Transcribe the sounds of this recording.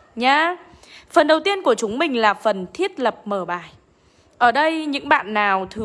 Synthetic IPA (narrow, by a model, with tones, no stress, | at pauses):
ɲaː˧ | fə˨˩nɗə˨˩wt̪i˧ənku˧˩ət͡ɕʊ˨˦ŋ͡mmï˨˩ŋ̟laː˨˩fə˨˩nt̪ʰi˦˥ət̚lə˨˩p̚məː˧˩ɓaː˧˩j | ʔəː˧˩ɗə˧jɲɨ̰˧˥ŋɓa̰ː˧˨nːaː˨˩wt̪ʰɨ˨˩